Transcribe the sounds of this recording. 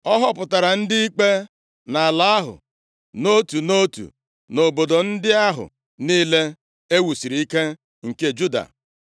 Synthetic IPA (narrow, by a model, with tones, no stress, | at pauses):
ɔ˦ɦɔ˦pʊ˨ta˨ɾa˨n̩˦dɪ˦i˦k͡pe˦ | na˨a˨la˦a˦ɦʊ̰˨ | no˦tu˨no˦tṵ˨ | no˨bo˨do˨n̩˦dɪ˦a˦ɦʊ̰˨ | niː˦le˦ | e˦wu˨si˨ɾi˨i˦ke˦ | ŋ̩˨ke˦d͡ʒu˦da̰˨